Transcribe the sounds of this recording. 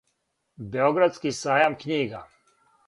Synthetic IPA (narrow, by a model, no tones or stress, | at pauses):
beoɡɾad̪skisaːjamkɲiːɡa